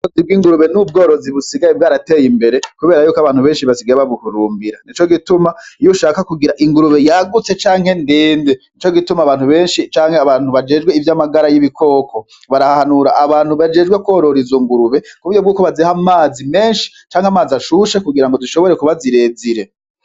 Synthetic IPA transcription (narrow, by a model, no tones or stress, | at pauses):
ozibɡiːŋɡuɾuβenub̚ɡo̞ːɾo̞ziβusiɡajebɡaːɾateːjimbe̞ɾekuβe̞ːɾajuːkaβaːnhuβeːnʃiβasiɡajeβaβuhuɾuːmbiɾa̰nit͡ʃo̞ɡitumajuʃakakuɡiɾaʔiŋɡuɾuβe̞jaɡut͡se̞t͡ʃaːŋhe̞ndiːndenit͡ʃo̞ɡitumaβaːnhuβe̞ːnʃit͡ʃaːŋheaβaːnhuβad͡ʒe̞ːd͡ʒɡweivjamaɡaɾajiβikʰo̞ːko̞ | βaɾahahanuɾaʔːβaːnhuβad͡ʒe̞ːd͡ʒɡwekwo̞ːɾo̞ɾizoŋɡuɾuβe̞kuβujo̞bɡuːkoβazehamaːzime̞ːnʃi̥ | t͡ʃaːŋhamaːzaʃuʃekuɡiɾaŋɡo̞duʃo̞βo̞ɾekuβaziɾe̞ːziɾe̞